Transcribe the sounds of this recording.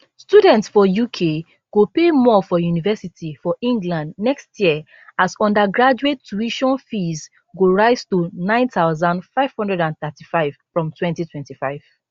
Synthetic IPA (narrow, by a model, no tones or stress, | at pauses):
studɛ̃ntsfɔjukʰe | ɡ̥opemɔfɔjunivɛsitʰifɔʔĩŋɡlãndnɛkstjiə | asɔ̃ndaɡɹad͡ʒuetːuiʃɔ̃nfiz | ɡoɹaɪztonãɪ̃ntaʊzãndfaɪv̥hɔ̃ndɹɛdãnθɛtifaɪv̥fɹɔ̃mtʰwɛ̃ntitʰwɛ̃ntifaɪv̥